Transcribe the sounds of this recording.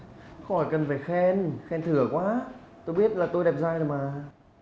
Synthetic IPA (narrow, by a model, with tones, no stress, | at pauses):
xɔ˧˩jkə˨˩nfaː˧˩jxɛ˧nxɛ˧nt̪ʰɨ˧˩˦əkwaː˨˦˥t̪o˧jɓi˦˥ət̚laː˨˩t̪o˧jɗɛ˨˩p̚zaː˧jzə˨˩jmaː˨˩